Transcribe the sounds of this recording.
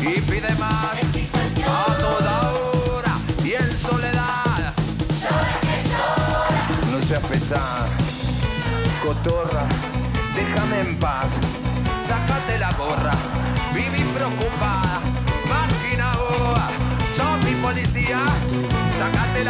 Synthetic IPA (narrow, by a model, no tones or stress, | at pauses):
ifiðemas | ot̪oðoɾaiensoleðað | noseapesa | ð | kot̪ora | d̪exameːmpas | sakat̪elaɣorabiβipɾeokupaða | makinaoasomipolisia | sakat̪el